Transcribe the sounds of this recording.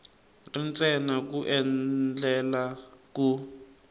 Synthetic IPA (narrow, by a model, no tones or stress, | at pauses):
rint͡sʼɛnakuʔɛnd͡ɮɛlaku